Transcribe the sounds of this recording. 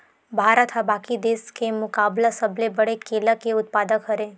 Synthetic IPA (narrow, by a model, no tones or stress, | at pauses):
bʱaːɾət̪ʰɦabaːkid̪eːskemʊkaːblasəblebəɽekeːlakeʊt̪̚paːd̪əkɦəɾe